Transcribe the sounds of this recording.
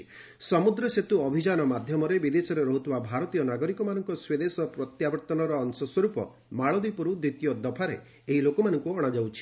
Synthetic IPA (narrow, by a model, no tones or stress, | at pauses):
sɔmud̪ɾɔset̪uɔbʱid͡ʒanɔmad̪ʱjɔmɔɾebid̪esɔɾeɾɔɦut̪ʰibabʱaɾɔt̪ijɔnaɡɔɾikɔmanɔŋkɔswed̪esɔpɾɔt̪jabɔɾt̪ɔnɔɾɔːnsɔswɔɾupɔ̰ | maɭɔd̪ipɔɾud̪ɾit̪ijɔd̪ɔpʰaɾḛː | ɦilokɔmanɔŋkuɔɽ̃ad͡ʒawt͡ʃʰi̥